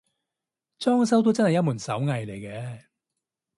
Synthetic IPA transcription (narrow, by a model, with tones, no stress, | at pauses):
t͡sɔː˥ŋsɐ˥wt̪o˥wt͡sɐ˥nhɐ˨jɐ˥tmuː˨˩nsɐ˨˥wŋɐ˨jle˨˩jkɛː˧